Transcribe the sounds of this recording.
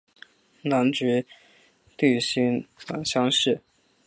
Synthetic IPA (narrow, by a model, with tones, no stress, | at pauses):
na˧˥nʈ͡ʂɻ̩˧˥ | t̪y˥˩ɕi˥ŋt̪a̰˨˩nɕjɑ˥ŋʂɻ̩˥˩